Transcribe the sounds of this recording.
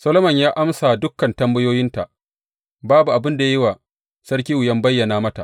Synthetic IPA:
sɐ˦lo˦mɐ˨ɲjaː˦ʔa˦msa˨dʊ˦kːɐ˨ntɐ˦mbɐ˦joː˦jɪ˦nta˨ʔ | baː˦bu˨ʔa˨bɪ˦nda˨ja˦ji˦waː˨ | sɐ˦rk̬ʲiː˦wʊ˨jɐ˦mbɐ˦jːɐ˨naː˨mɐ˦ta̰˨ʔ

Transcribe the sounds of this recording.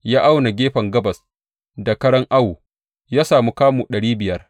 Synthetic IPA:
jaː˦ʔa˦wna˨ɡʲeː˦ɸɐ˨ŋɡɐ˦bɐ˨s | da˨kɐ˦ɽɐ˦ŋʔa˦wu˨ | jaː˦saː˨mu˦kaː˦mu˨ɗɐ˨ɽiː˦bɪ˨jɐ˦r

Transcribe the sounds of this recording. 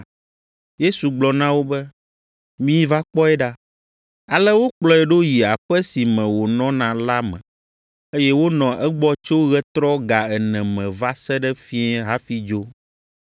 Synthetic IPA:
je˦su˨ɡ͡blɔ˨nã˦wo˦bɛ˦ | mĩ˦va˦k͡pɔ˦ɛ˦ɖa˦ | a˨lɛ˦wo˦k͡plɔ˦ɛ˨ɖo˦ji˨a˨ɸɛ˦si˨mɛ̃˨wo˨nɔ̃˦nã˨la˦mɛ̰̃˨ | e˦jɛ˦wo˦nɔ̃˨ʔɛ˦ɡ͡bɔ˦t͡ʃo˦ɣɛ˦t̪ɾɔ˦ɡa˨ɛ˨nɛ̃˨mɛ̃˨va˦sɛ˦ɖɛ˦fi˦ɛ̃˦ɦa˦fi˦d͡ʒo˦

